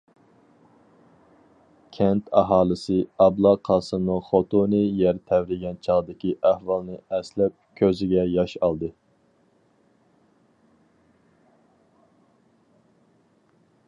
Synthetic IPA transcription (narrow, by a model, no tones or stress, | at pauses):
kʲʰɛnt̪ʰɑɦɑːlˠɨsɨɑblˠɑqʰɑːsɨnɨχot̪ʰonɨjɛɾt̪ʰɛvɾɪɡʲɛnt͡ʃʰɑʁd̪ɪkʲiʔæhwɑlˠnɨɛslɛp̚kʲʰøzɪɡʲɛjɑʃɑlˠd̪ɨ